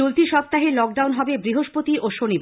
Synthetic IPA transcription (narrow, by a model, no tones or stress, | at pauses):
olt̪iʃɔp̚t̪ːaɦelɔk̚ɖawnɦɔbebɾiɦoʃpot̪iʔoʃonib